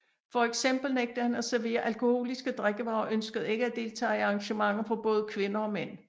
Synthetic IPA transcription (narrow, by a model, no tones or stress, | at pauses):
fɒ̽eɡ̥sem̰b̥l̩neɡ̥̚d̥əhænæsæɐʋe̝̰ːɐʔælkʰo̝ho̝̰ːlisɡ̥əd̥ʁaɡ̥əʋɑ̈ʊʔønsɡ̥əð̞̩ˠe̝ɡ̥əæd̥e̝lt͡sʰɛ̰ːiɑ̈ŋɕəmɑ̈ŋ̰ð̩ˠfɒ̽b̥ɔ̽ːð̞̩ˠkʰʋe̝nɐɒ̽men̰